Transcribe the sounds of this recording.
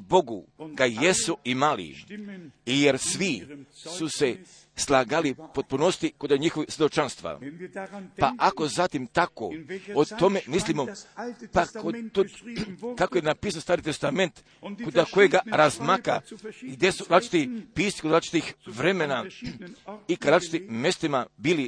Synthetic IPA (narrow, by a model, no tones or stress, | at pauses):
bo̞ɡuɡajesuʔimalḭ | ijeɾsʋisuse̞ | slˠaɡalipo̞t̪̚punost̪ikod̪aɲixoʋisʋʲjed̪o̞t͡ʃanst̪ʋa̰ | paʔako̞zat̪imt̪ako̰ot̪o̞memislimopakot̪ut̪kakojenapiːsanost̪aːɾit̪e̞st̪ame̞nt̪ | kod̪ako̞jeɡaɾazmaka̰ɡd̪jesuɾat͡ʃi̥t̪ipiːst̪i̥kod̪ɾat͡ʃi̥t̪ixʋɾemena | ikad̪ɾat͡ʃi̥t̪imjest̪imabili